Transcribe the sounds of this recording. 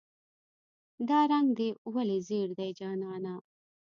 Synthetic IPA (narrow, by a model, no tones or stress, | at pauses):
d̪ɑːɾɐŋɡd̪ewɐleziːɾd̪ɐjd͡ʒɑːnɑːna